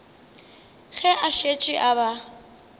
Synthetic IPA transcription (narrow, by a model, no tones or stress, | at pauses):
ɣɛʔaʃet͡ʃʼɪʔaba